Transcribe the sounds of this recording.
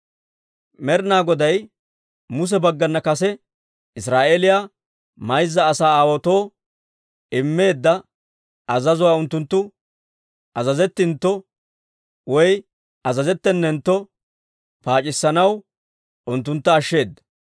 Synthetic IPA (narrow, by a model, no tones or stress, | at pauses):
mɛɾnaːɡɔd̪ɐj | mʊs̬ɛbɐɡːɐnːɐkɐsɛ | ɪsɾaːʔelɪjaː | mɐjzːɐːsaːaːwɔt̪o̞ː | ɪmːe̞ːd̪ːɐ | ɐzɐzʊwaːʊnt̪ːʊnt̪ːʊ | ɐzɐzɛt̪ːɪnt̪ːɔ | wɔj | ɐzɐzɛt̪ːɛnːɛnt̪ːɔ | paːt͡ʃʼɪsːɐnɐw | ʊnt̪ːʊnt̪ːɐːʃːe̞ːd̪ːɐ̥